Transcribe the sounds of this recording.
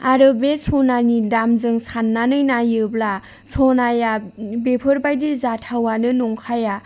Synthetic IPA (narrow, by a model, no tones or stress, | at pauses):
aɾɯbesʰɔnanidamzɯŋsanːanɯjnajɯbla | sʰɔnajabepʰɯɾbajdizatʰawanɯnɔŋkʰaja